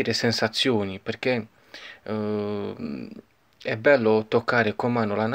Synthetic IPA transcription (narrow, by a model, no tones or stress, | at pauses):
iːɾesensat̪sːjoːniperk̟e | ɛbɛlːot̪okːaːɾekomaːnolan